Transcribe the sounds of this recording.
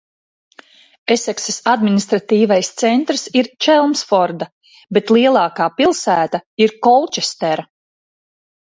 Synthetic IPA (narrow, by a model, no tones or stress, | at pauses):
esɛksesad̪minist̪ɾat̪iːvajst̪sɛnt̪ɾsiɾt͡ʃɛlˠmsfɔɾd̪a | be̞t̪lˠiɛlˠɑːkaːpilˠsæːt̪aiɾkɔlˠt͡ʃɛst̪ɛɾa